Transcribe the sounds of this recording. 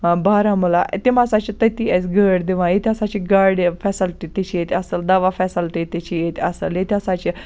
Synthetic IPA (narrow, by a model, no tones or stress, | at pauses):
baɾãmulaʔt̪emasat͡ɕit̪ət̪iɛt͡sɡəɽd̪eʋãjet̪ʰiasat͡ɕiɡaɾɖfɛsəlʈit̪et͡ɕijet̪ʲasəld̪aʋafɛsəlʈit̪et͡ɕijet̪ʲəsəljet̪iasat͡ɕi